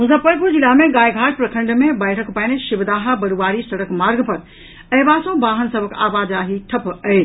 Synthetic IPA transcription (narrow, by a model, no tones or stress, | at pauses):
mʊzəpəɾkud͡ʑilaːmẽɡaːjɡʱaːʈ̚pɾɐkʰə̃ɳɖmẽbaːɪɾəkpɐ̃ːnʃɪbd̪aːɦabɐɽuʋaːɾisɐɽəkmaːɾɡpɐɾ | ɛːʋaːsõbaːɦənsɐbʱəkʰa̰ːʋaːd̪aːɦiʈʰɐpɐeː